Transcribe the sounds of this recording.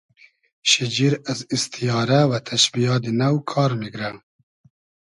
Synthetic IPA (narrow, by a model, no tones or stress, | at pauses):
ʃid͡ʒiɾazist̪ʰijɑːɾawat̪ʰɐʃbijɑd̪inawkʰɑːɾmiɡɾa